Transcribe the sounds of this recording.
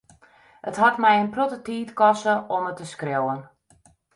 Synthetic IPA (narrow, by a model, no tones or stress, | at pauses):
əthatmɛjənprotətiːtkɔsəɔmətəskrewən